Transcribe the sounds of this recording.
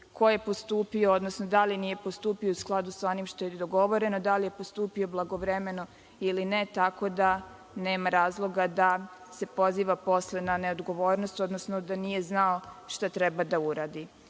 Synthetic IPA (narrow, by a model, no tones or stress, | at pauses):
ko̞je̞po̞st̪uːpiood̪nosnod̪alinije̞post̪uːpio̞usklˠad̪usao̞nimʃt̪o̞jed̪oɡo̞ʋo̞ɾe̞no̞d̪alije̞post̪uːpio̞blˠaɡo̞ʋɾemeno̞ | ilinet̪ako̞d̪a | ne̞ːmaɾaːzlˠo̞ɡad̪a | se̞po̞ziːʋapo̞slenane̞od̪ɡo̞ʋo̞ːɾnost̪o̞d̪nosnod̪anije̞znaoʃt̪at̪ɾebad̪auɾaːd̪i